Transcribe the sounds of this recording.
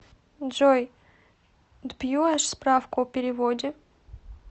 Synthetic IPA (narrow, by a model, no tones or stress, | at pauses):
ʐoj | d̪bjuaʂspɾafkʊɔpʲɪɾʲɪvodʲɪ